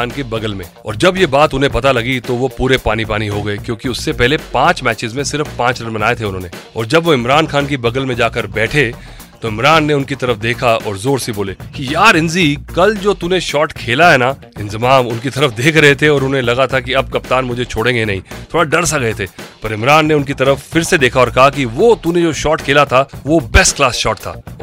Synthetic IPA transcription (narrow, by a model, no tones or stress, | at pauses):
aːnkebɐɡəlmẽɔ̰ːɾd͡ʒɐbjebaːt̪ʊnẽpɐt̪alɐɡit̪oʋopuːɾepaːnipaːniɦoɡɐekjõːkiʊsːepɛɦlepãːt͡ʃmɛːt͡ʃɪzmẽsɪɾəfpãːt͡ʃɾɐɾmɐnaːet̪ʰeʊnɦõːneɔ̰ːɾd͡ʒɐbʋoɪmɾaːnxaːnkibɐɡəlmẽd͡ʒaːkɐɾbɛːʈʰe | t̪oɪmɾaːnːeʊnkit̪ɐɾəfd̪eːkʰaɔ̰ːɾzoːɾsiboːlekijaːɾɪ̃nzikɐld͡ʒoːt̪unẽʃɔːʈkʰeːlaɦɛːna | ɪ̃nzɪmaːmʊnkit̪ɐɾəfd̪eːkʰɾɐɦet̪ʰeɔːɾʊnẽlɐɡat̪ʰakiɐb̚kɐpt̪aːnmʊd͡ʒʱet͡ʃʰoːɽẽɡenɐɦĩːt̪ʰoːɽaɖɐɾs̬aɡɐet̪ʰeːpɐɾɪmɾaːnːeʊnkit̪ɐɾəffɪɾsed̪eːkʰaɔːɾkɐɦakiʋoːt̪uned͡ʒoːʃɔːʈkʰeːlat̪ʰaʋobɛsʈklaːsʃɔːʈt̪ʰa̰ː